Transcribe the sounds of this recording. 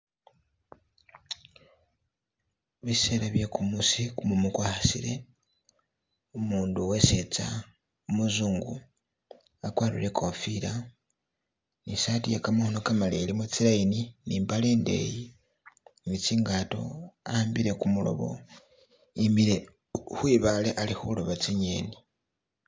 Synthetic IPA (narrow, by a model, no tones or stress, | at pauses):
βise̞ːlaβjekumusikumumukwaːhasḭɾe̞ | umuːnduwe̞set͡sa | umuzuːŋɡu | akwaːlḭle̞kʰofiɾa | nisatijekamahonokamalelimut͡silaininiːmbale̞ːnde̞̰ji | nit͡siːŋɡato̞̰aaːmbiɾe̞kumulo̞̰βo̰ | imile | hwiβaleʔalixulo̞βat͡siɲeni